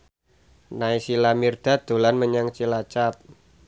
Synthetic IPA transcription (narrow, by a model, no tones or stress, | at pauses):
naisilamird̪̥a̤d̪̥o̤lanməɲaŋt͡ʃilat͡ʃap̚